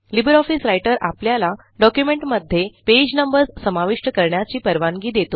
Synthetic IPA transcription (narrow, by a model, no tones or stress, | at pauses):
libəɾɔfisɾajʈəɾapljala | ɖɔkjumeɳʈməd̪ʱːeped͡ʑnəmbəɾd͡zsəmaʋiʂʈəkəɾɳjat͡ɕiːpəɾʋaŋɡiːd̪et̪o